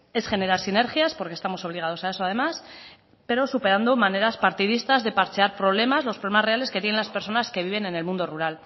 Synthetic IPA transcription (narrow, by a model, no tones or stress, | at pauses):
e̞sxe̞ne̞ɾaɾsine̞ɾxjaspo̞ɾkest̪amo̞so̞β̞liɣað̞o̞sae̞so̞að̞e̞mas | pe̞ɾo̞supe̞ɾand̪o̞mane̞ɾaspaɾt̪ið̞ist̪azðe̞paɾt͡ʃeaɾpɾo̞β̞le̞mazlospɾo̞emasre̞ale̞ske̞t̪jeelaspeɾso̞naske̞β̞iβ̞e̞ne̞ne̞lmũnd̪o̞ruɾal